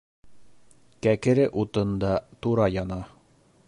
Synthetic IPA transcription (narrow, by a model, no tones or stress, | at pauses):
kækɘ̆ɾɘʔut̪ɤ̆nd̪ɑt̪uɾɑjɑnɑ